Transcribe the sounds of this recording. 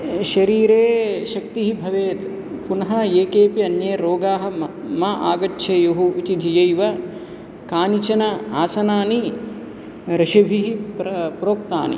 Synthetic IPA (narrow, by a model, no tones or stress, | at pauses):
ʃɐɾiːɾeːʃɐk̚t̪iɦibʱɐʋeːt̪ | punɐɦɐeːkeːpiɐnjɐːɾoːɡaːɦɐ̆ | maʔa̰ːɡɐtːʃʰeːjoɦuit̪id̪ʱɐjɐjʋɐ | kaːnit͡ʃɐnɐaːsɐnaːni | ɾɐʃɐbʱiɦipɾɐpɾoːk̚t̪a̰ːnḭ